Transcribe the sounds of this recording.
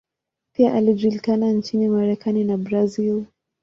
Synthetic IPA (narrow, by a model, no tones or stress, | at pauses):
piaʔaliʄulikanant͡ʃinimaɾɛkaninabɾazil